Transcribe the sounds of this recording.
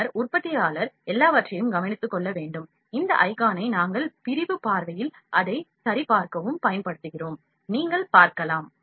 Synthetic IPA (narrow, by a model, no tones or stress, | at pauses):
ɐɾʊrpɐt̪ːɪjaːlɐɾɛlːaːʋɐʈrɐjɯmɡɐmɐnɪt̪ːɯkːɔɭːɐʋeːɳɖɯm | ɪnd̪ɐ̰ʔɐɪkaːnɐɪnaːŋɡɐɭpɪɾɪʋɯpaːɾʋɐjɪl | ʔɐðɐɪsɐɾɪpaːɾkɐʋɯmpɐjɐnpɐɽɯt̪ːɯɣɪroːm | niːŋɡɐɭpaːɾkɐlaːm